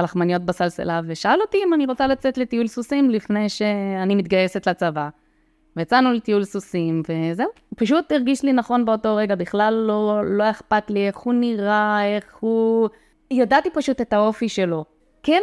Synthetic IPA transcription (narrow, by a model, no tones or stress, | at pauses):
alaχmanijo̞t̪̚basalsḛlaveʃaalo̞tiimaniʁot͡salat͡set̪le̞tiulsusimlifne̞jʃe̞animit̪̚ɡaje̞se̞t̪lat͡sava | vejat͡sanuletiulsusimve̞ze̞u | paʃutiʁɡiʃlinaχo̞nbe̞o̞to̞ʁe̞ɡabiχlalːo̞ːo̞eχpatlie̞χhuniʁae̞χhu | jadat̪ipaʃut̪e̞t̪ao̞fiʃe̞lo̞ | ken